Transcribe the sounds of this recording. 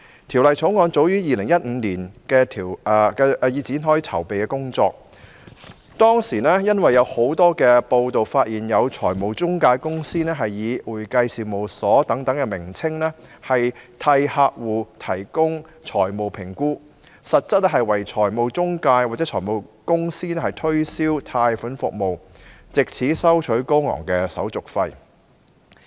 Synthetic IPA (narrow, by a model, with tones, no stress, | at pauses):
t̪ʰi˨˩wlɐ˨jt͡sʰo˨˥wŋɔː˨˧nt͡so˨˥wjyː˥jiː˨lɪ˨˩ŋjɐ˥t̚m̩ː˨˧niː˨˩nkɛː˧t̪ʰiː˨˩wkɛ˧ji˨˧t͡siː˨˥nɦɔː˨˥jt͡sʰɐ̰˨˩wpe˨jkɛː˧kʊ˥ŋt͡sɔː˧k̚ | t̪ɔː˥ŋsiː˨˩nɛː˥jɐ˥nwɐ˨jːɐ˨˧who˨˥wt̪ɔː˥kɛː˧po˧wt̪o˨wfaː˧t̚jiː˨˩njɐ˨˧wt͡sʰɔː˨˩jmo˨wt͡sʊ˥ŋkaː˧jkʊ˥ŋsiː˥nɛː˥ɦɐ˨jːiː˨˧wuː˨˩jkɐ˧jsiː˨˧mo˨wsɔː˨˥t̪ɐ˨˥ŋt̪ɐ˨˥ŋkɛ˧mɪ˨˩ŋt͡sʰɪ˥ŋnɛː˥hɐ˨jt̪ʰɐ˧jhaː˧k̚wuː˨t̪ʰɐ˨˩jkʊ˥ŋt͡sʰɔː˨˩jmo˨˩wpʰɪ˨˩ŋkuː˥ | sɐ˨t̚t͡sɐ˥t̚lɛː˥ɦɐ˨jwɐ˨˩jt͡sʰɔː˨˩jmo˨wt͡sʊ˥ŋkaː˧jwaː˨t͡sɛː˨˥t͡ʃʰɔː˨˩jmo˨wkʊ˥ŋsiː˥nɛː˥hɐ˨˩jt̪ʰɵ˥ɥsiː˥wt̪ʰaː˧jfʊ˨˥nfʊ̰˨k̚mo˨w | t͡sɪ˨k̚t͡sʰiː˨˥sɐ˥wt͡ʃʰɵ˨˥ɥko˥wŋɔ̰ː˨˩ŋkɛː˧sɐ̰˨˥wt͡sʊ˨˩k̚fɐ˧j